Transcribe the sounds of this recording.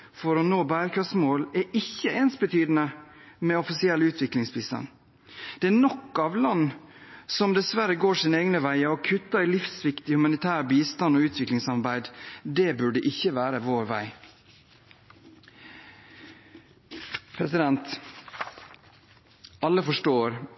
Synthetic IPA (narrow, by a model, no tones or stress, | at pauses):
fɔɾɔnoːbæːɾkʰɑsmoːlɛʔɪçːəʔeːnsbət̪ʰyːd̪ənəmɛɔfɪsɪɛlʉːt̪ʰʋɪklɪŋsbiːst̪ɑ̰n | d̪̥ɛːnɔkːɑʋlɑnː | sɔmd̪ɛsʋæɾəɡoːʂɪːneːɡnəʋæɪɑɔkʰʉt̪ːəɪlɪfsʋɪkt̪ɪhʉmɑnɪt̪ʰæːɾbiːst̪ɑnɔʉːt̪ʰʋɪklɪŋsɑɾbæɪd̪d̪ɛbʉɖəʔɪçːəʋæːɾəʋoːɾʋæɪ | pʰɾɛsɪd̪ɛnt̪ | ɑlːəfɔʂʈoːɾ